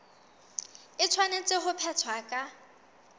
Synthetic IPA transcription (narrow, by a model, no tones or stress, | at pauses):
ɪt͡sʰwanet͡sʼɪχʊpʰɛt͡sʰwakʼa